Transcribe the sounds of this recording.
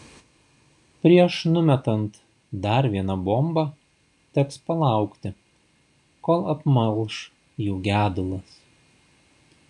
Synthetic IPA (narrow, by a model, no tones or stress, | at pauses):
pʲɾʲiɛʃnʊmʲɛt̪ɐnt̪ | d̪ɐɾʋʲiɛnɑbombɐ | t̪ʲɛkspɐlˠɑˑʊkt̪ʲɪ | koːlˠɐpmɐlˠʃ | juːɡʲæːd̪ʊlˠɐs